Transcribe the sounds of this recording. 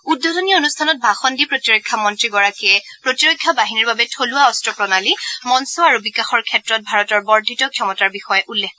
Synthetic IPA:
udʱːɔtɔniɔonustʰanɔt̚bʱaxɔndipɹotiɹojkʰːamɔntɹiɡɔɹakiɛpɹotiɹokʰːabaɦiniɹbabɛtʰoluaɔstɹɔpɹɔnalimɔnsoaɹubikaxɔɹkʰɛtɹɔt̚bʱaɹɔtɔɹbɔɹdʱitɔkʰjɔmɔtaɹbixɔjɛʔulːɛk

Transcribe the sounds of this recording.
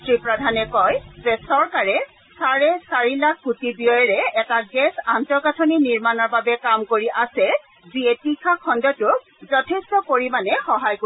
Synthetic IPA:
tɹipɹadʱanɛkɔjzɛsɔɹkaɹɛ | saɹɛsaɹilakʰːutibijɔjɹɛɛtaɡɛsantɔkatʰɔniniɹmanɔɹbabɛkamkoɹiʔasɛ | ziɛtikʰakʰɔndɔtʊk̚ | zɔtʰɛstɔpoɹimanɛxɔɦajko

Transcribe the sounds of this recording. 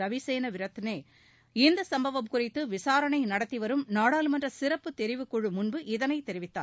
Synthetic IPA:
ɐʋiseːnɐʋɪɾɐt̪ːɯneː | ɪnd̪ɐsɐmbɐʋɐmkʊrɪt̪ːɯʋɪsaːɾɐɳɐɪnɐɽɐt̪ːiʋɐɾɯmnaːɽaːlɯmɐndrɐsɪɾɐpːɯt̪ːɛɾɪʋɯkːɔɻɯmʊnbɯʔɪðɐnɐɪt̪ːɛɾɪʋɪt̪ːa̰ːn

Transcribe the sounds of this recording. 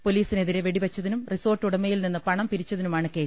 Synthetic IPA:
poliːsine̞ðiɾe̞ʋeɽiʋɐt͡ɕːɐðinumriso̞ːrʈːuɽɐmejilninːɨpɐɳɐmpiɾit͡ɕːɐðinumaːɳɨkeːs

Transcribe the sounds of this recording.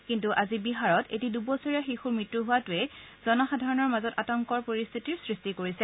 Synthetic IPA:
kintuʔazibiɦaɹɔtʰḛtidubɔsʰɔɹiaxixuɹmɹitːɹuɦʊwatʊɛz̥ɔnɔxadʱaɹɔnɔɹmazɔtatɔŋkɔɹpoɹist̪ʰitiɹsɹistikoɹisɛ

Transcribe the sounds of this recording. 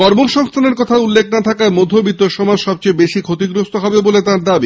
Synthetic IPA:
kɔɾmoʃɔŋst̪ʰaneɾkɔt̪ʰaulːek̚nat̪ʰakaemod̪ʱːobit̪oʃɔmad͡ʑʃɔb̚t͡ɕejbeʃikʰot̪iɡɾost̪oɦɔbebolet̪aɾd̪abi

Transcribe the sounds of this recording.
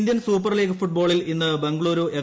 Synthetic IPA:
nd̪jɐnsuːpːɐrliːɡɨfuʈ̚bo̞ːɭilinːɨbeŋɡɭoːɾoːʔe

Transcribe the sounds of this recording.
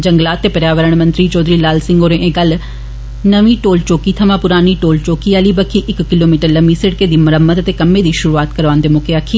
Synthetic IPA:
d͡ʒəŋɡlaːt̪ːeːpəɾjaːʋəɾəɳ̃mə̃nt̪ɾiːt͡ʃɔːd̪ɾiːlaːlsɪ̃ŋɡoːɾẽʔẽːɡəl | nəʋĩːʈoːlt͡ʃoːkiːt̪ʰəmãːpʊɾaːniːʈoːlt͡ʃoːkiːaːliːbəkʰiːʔɪkːɪloːmiːʈəɾləmiːsɪɽkeːd̪iːməɾəmːət̪ət̪eːkəmːẽːd̪iːʃʊɾuaːt̪kəɾʋãːnd̪eːmoːkeːaːkʰiː

